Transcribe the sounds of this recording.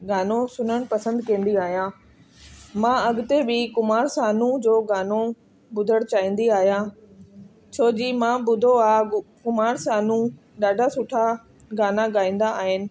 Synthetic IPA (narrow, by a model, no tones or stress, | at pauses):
ɡaːnosʊnəɽ̃pɐsə̃nd̪kẽːn̆d̪iaːɦijãː | mãːɐɡt̪ebʱɪkʊmaːɾsaːnũd͡ʑoːɡaːno | bʊd̪ʱəɽ̃t͡ɕaːĩːn̆d̪iaːɦijãː | t͡ɕʰoːd͡ʑiːmãːbʊd̪ʱoaːkʊmaːɾsaːnũ | ɗaːɖʱasʊʈʰa | ɡaːnaɡaːĩːn̆d̪aʔːɦɪnɪ̆